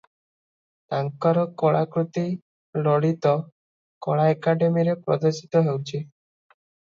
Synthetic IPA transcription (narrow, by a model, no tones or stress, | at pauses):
t̪aŋkaɾɔkɔɭakɾut̪i | lɔɽit̪ɔ | kɔɭaekaɖemiɾepɾɔ̰d̪ɔsi̥t̪ɔɦewt͡ʃʰi